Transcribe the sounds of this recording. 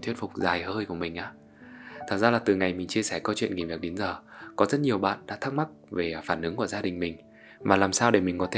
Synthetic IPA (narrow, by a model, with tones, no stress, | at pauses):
t̪ʰwət̚fʊ˨˩k͡p̚zaː˨˩jhəː˧jku˧˩əmï˨˩ŋ̟ʔaː˨˦ | t̪ʰaː˨˩t̚zaː˧laː˨˩t̪ɨ˨˩ŋa˨˩jmï˨˩ŋ̟t͡ɕi˧əsɛ˧˩kɔ˨˦t͡ɕwḭ˧˨nŋi˨˩vi˨˩ək̚ɗe˨˦nzəː˨˩kɔ˨˦zə˦˥t̚ɲi˨˩əwɓa̰ː˧˨nɗa̰ː˧˥t̪ʰk̚ma˦˥k̚ve˨˩faː˧˩nʔɨ˨˦ŋku˧˩əzaː˧ɗï˨˩ŋ̟mï˨˩ŋ̟ | vaː˨˩laː˨˩msaː˧wɗe˧˩mi˨˩ŋkɔ˨˦t̪ʰe˧